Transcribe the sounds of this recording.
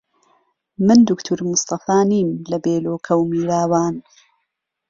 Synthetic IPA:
mɨnd̪ʊkt̪ʰuɾmʊst̪ɐfaːniːmlɐbeːloːkʰɐwmiːɾaːwaːn

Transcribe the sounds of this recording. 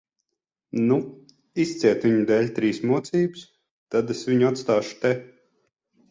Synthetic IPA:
nu | ist̪sʲiɛt̪viɲud̪ɛlʲt̪ɾiːsmut̪siːbs | t̪ad̪esvʲiɲuat̪st̪aːʃu̥t̪ɛ

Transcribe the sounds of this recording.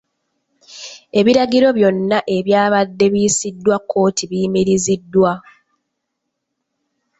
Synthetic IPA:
e̞βiɾaɟiɾo̞βjo̞nːaʔe̞βjaːβadːe̞βijːsidːwakʰːo̞ːtʰiβimiɾizidːwa

